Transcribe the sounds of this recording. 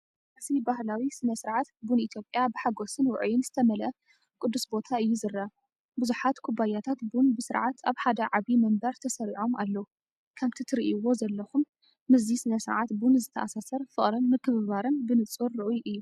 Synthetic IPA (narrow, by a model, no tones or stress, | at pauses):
ʔsibahlawisɨnɐsɨɾʕat̪bunit̪ʰjo̞pʼjabɨħaɡosɨnwʊ̰ʕujɪnzɨt̪ʰɐmɐlɐ | kʼʊd̪ːusbo̞t̪ʰaɨjːuzɨɾːa | bɨzuħat̪kʰubajat̪ʰat̪bunbɨsɨɾʕat̪ʰaβħad̪ɐʕaβimɐmbɐɾt̪ʰɐsɐɾiʕo̞malːɐwu | kʰaβt̪ʰit̪ʰɨɾiʔwo̞zɐlːɐxumː | ɨzisɨnɐsɨɾʕat̪bunzɨt̪ʰɐʔasasɐɾfɨχʼɾɨnmɨkʰːɨβɨβaɾɨnbɨnɨt͡sʼɨɾɨʔujʔɨjːu